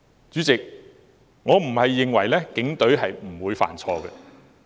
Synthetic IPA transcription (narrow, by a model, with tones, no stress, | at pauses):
t͡sy˨˥t͡sɪ˨k̚ | ŋɔː˨˧m̩˨˩hɐ˨jːɪ˨ŋwɐ˨˩jlɛ˥kɪ˨˥ŋt̪ɵ˨˥ɥɦɐ˨jm̩˨˩wuː˨˧jfa̰ː˨˩nt͡sʰɔː˧ɡɛ˧